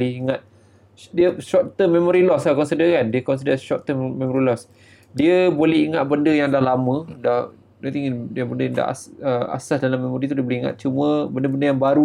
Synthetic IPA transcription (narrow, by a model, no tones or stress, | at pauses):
lɪiŋat̪̚ | diəʃɔr̚t̪əmːemoɾilɔslahkɔnsidəkandiəkɔns̬idəʃɔtt̪əmmːẽmɔɾilɔs | diəbolɛhiŋat̪̚bəndəjaŋdahlamə̃da | nat̪iŋdabəndəjãŋda̰ʔəa̰sasdalamːemoɾit̪udiəboliiŋa̰t̪̚t͡ʃumə̃bəndəbəndəjaŋbaɾu